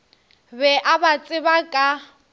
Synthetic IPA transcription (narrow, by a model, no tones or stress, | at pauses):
bɛʔabat͡sʼɪbakʼa